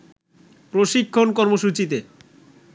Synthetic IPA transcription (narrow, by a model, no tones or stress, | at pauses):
pɾoʃikʰːonkɔɾmoʃut͡ɕit̪̬e